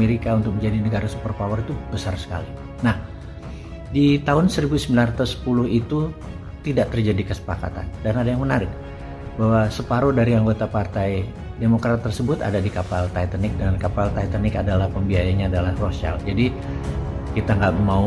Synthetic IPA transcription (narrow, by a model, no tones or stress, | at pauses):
meɾikaunt̪ʊk̚məɲd͡ʒadinəɡaɾasupərpawərit̪ub̥əsarsə̥ka̰li | nah | dit̪aɦʊnsəɾibusəmbilanrat̪usːə̥pulʊhit̪u | t̪idaʔt̪ərd͡ʒadikəsə̥paka̰t̪a̰ndanadajaŋmənaɾɪk̚ | bahwasəpaɾodaɾiaŋɡot̪apart̪aj | demokɾat̪ːərsəbʊt̪a̰dadikapalt̪ajt̪ənɪk̚dankapalt̪ajt̪anɪkadalahpəmbiajaɲaːdalahrosa̰ld͡ʒadi | kit̪aŋɡaʔmau